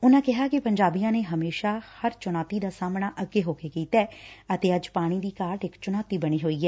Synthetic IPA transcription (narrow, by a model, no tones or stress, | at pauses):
ʊnãːkɪɦaːkɪpəɲd͡ʒaːbiːãːneːɦəmeːʃaːhəɾt͡ʃʊñaːt̪iːd̪aːsaːmɳaːʔəɡeːɦoːkeːkiːt̪ɛːət̪eːəd͡ʒpaːɽ̃iːd̪iːkaːʈɪkt͡ʃʊñaːt̪iːbəɽ̃iːɦoːiːɛː